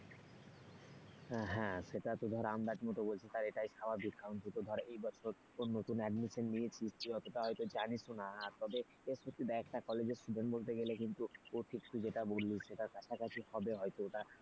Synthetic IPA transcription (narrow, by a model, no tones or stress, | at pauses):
ɦɛ̃ʃeʈat̪ud̪ʱɔɾeamd̪at̪imɔt̪obolt͡ɕʰit̪aɾeʈajʃababikːaunʈ̪ut̪od̪ʱɔɾeʔejbɔt͡ɕʰoɾ | konnot̪unɛɖmiʃonːiet͡ɕʰistʰiɔt̪oʈaɦɔjt̪od͡ʑanisonaːɾt̪ɔbe | esot̪ːid̪aɛkʈakɔled͡ʑesʈuɖeɳʈbolt̪̬eɡelekint̪uoʈʰik̚t̪ud͡ʑeʈabolːiʃeʈaɾkat͡ɕʰakat͡ɕʰihɔbeɦɔjt̪ooʈa